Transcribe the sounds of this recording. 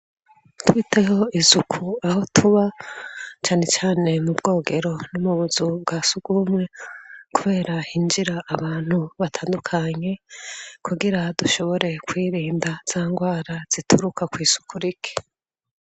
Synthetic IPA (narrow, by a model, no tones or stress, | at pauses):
twiːtʰe̞ho̞izukʰuaɦo̞tʰuβa | t͡ʃaːne̞t͡ʃaːne̞mubɡo̞ːɡe̞ɾo̞numuβuzub̚ɡaːsuɡ̥umŋe̞kuβe̞ːɾahind͡ʒiɾaʔːβaːn̥huβatʰaːndukʰaɲe̞kuɡiɾaduʃo̞βo̞ɾʔe̞kwiːɾiːndaz̥aːŋɡwaːɾaz̥itʰuɾukakwiːz̥u̥kʰuɾikʰi̥